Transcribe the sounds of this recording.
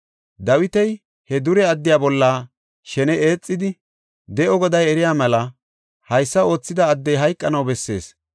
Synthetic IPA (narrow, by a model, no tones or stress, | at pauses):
d̪ɐwɪt̪ɛj | hɛd̪ʊɾɛɐd̪ːɪjaːbɔlːaː | ʃɛnɛeːt͡sʼːɪd̪ɪ | d̪ɛʔɔɡɔd̪ɐjɛɾɪjaːmɛlɐ | hɐjsːɐo̞ːt͡sːɪd̪ɐːd̪ːɛjɦɐjkʼːɐnɐwbɛsːe̞̰ːs